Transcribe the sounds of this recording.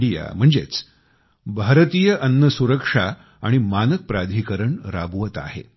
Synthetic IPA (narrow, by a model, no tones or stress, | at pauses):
ɽija̰m̤əɳd͡zḛt͡s | bʱaɾət̪iːjəʔənːəsuɾəkʂa | aɽ̃imanək̚pɾad̪ʱikəɾəɳɾa̰bʋət̪a̰ɦḛ